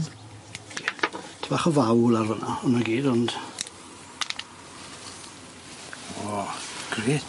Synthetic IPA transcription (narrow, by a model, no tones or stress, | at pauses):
tʰəbaχɔvawlˠarvənaɔnaɡiːdɔnd̥ | ɔɡ̥re